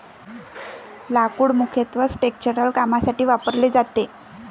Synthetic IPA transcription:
lakuːɽmukʰjət̪ʋəsʈek̚t͡ɕəɾəlkamasaʈiːʋapəɾled͡zat̪e

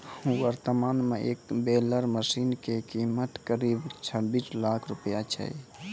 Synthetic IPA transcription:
ũwəɾt̪əmaːnmẽʔḛːkbeːləɾməsiːnkekimət̪kəɾiːbt͡ʃʰəbiːslaːkʰɾʊpjat͡ʃʰə̰i

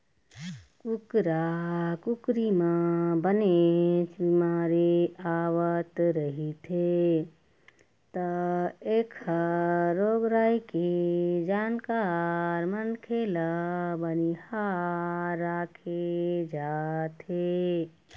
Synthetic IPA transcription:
kukɾakukɾimãbənet͡ʃbimaːɾeaːwət̪ɾəɦit̪ʰe | t̪əeːkʰəɾoːɡɾaːiked͡ʒaːnkaɾmənkʰeːlabəniha | ɾaːkʰed͡ʒaːt̪e

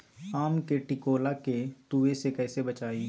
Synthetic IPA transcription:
aːmkeʈɪkoːlaket̪uːesekɛːsebɐt͡ʃaːi

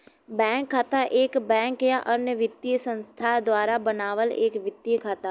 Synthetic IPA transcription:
bɛ̃ːŋkʰːaːt̪aʔeːkbɛ̃ːŋkjaʔənjəʋɪt̪ːiəsə̃nst̪ʰad̪waːɾabənaːʋəleːkʋɪt̪ːjəkʰaːt̪aː

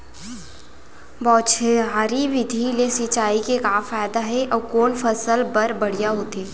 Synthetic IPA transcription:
bɔːt͡ʃʰeɦaːɾiʋɪd̪ʱilesɪt͡ʃaːikekaːfaːjd̪aɦɛʔɔːkoːnfɐsəlbɐɾbɐɽ̤ijaɦoːt̪eː

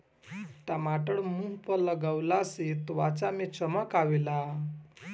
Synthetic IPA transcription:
t̪amaʈəɭmuɦpələɡawlaset̪ʋat͡samet͡ɕəməkaʋila

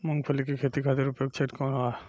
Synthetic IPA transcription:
mɔŋpʰolikekʰet̪ikʰad̪eɾupjoɡ̚t͡ɕʰeʈkɔnɦɔa

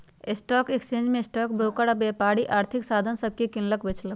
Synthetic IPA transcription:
sʈɔːkekst͡ʃẽːɲd͡ʒmẽsʈɔːkbɾoːkəɽabeːpaːɽiʔaːɾt̪ʰɪksaːd̪ʱənsɐb̚kikɪ̃nləkʋɪt͡ʃʰlə

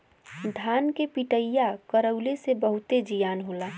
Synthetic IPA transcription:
d̪ʱaːnkepiʈəjːakəɾəʊlesebəɦʊt̪ed͡ʒijaːnɦoːla

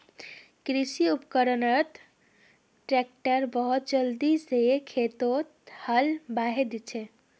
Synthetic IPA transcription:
kɾisiupkəɾənət̪ | ʈɾek̚ʈəɾbəɦut̪d͡ʒəld̪isekʰet̪ot̪həlbaɦed̪it͡ʃʰɛ

